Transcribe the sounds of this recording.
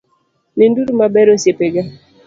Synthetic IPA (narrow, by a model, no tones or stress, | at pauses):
nenduɾumabɛɾosjepeɡa